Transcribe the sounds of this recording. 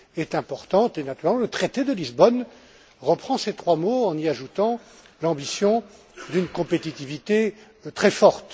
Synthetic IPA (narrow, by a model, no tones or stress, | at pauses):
ɛt̪ɛ̃pɔʁt̪ɑ̃t̪enat̪yʁɛlmɑ̃lət̪χet̪ed̪əlizbɔn | ʁəpχɑ̃set̪χwamoɑ̃niaʒut̪ɑ̃ | lɑ̃bisjɔ̃ | d̪ynkɔ̃pet̪it̪ivit̪e | t̪χɛfɔʁt̪